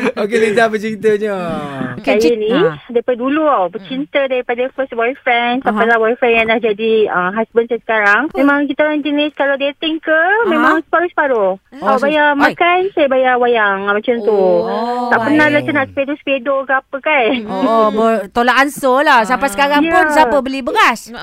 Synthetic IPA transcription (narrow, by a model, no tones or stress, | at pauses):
okelizabət͡ʃiit̪əɲəkeajənĩdaipadaduluawbət͡ʃint̪ədaɾipadafəst̚wɔjfɾɛnsampajlahwajfɾɛ̃njãŋnahd͡ʒadiəmɦasbənsajasə̥kaɾaŋmẽmãŋk̬it̪aoɾãŋd͡ʒəniskalawdet̪iŋkəmẽmãŋsə̥paɾʊsə̥paɾoabajamakansajabajawajaŋmãt͡ʃamt̪ut̪aʔpənahlat͡ʃanaʔsə̥pedosə̥pedokəapəkanobət̪olaʔansolasampasə̥kaɾaŋjpʊnsapəbəlibəɡas